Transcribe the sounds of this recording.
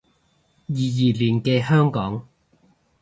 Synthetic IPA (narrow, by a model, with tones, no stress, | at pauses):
jiː˨˩jiː˨˩liː˨˩nkɛː˧hœː˥ŋkɔː˨˥ŋ